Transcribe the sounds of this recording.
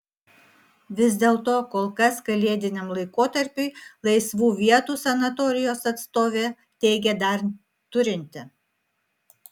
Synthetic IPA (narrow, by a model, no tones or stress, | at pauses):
ʋʲɪzʲd̪ʲeːlˠt̪oːkoːlˠkɐskɐlʲeːd̪ʲɪnʲɛmlˠɐɪkoːt̪ɐɾʲpʲʊɪlˠɐɪsʋuːʋʲiɛt̪uːsɐnɐt̪ɔɾʲɪjoːsɐt̪st̪oːʋʲeː | t̪ʲɛɪɡʲɛd̪ɐɾ | t̪ʊɾʲɪnʲt̪ʲɪ